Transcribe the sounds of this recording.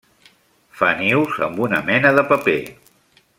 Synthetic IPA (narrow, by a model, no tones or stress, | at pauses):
faniwzə̰mbunəmɛnəðəpəpḛ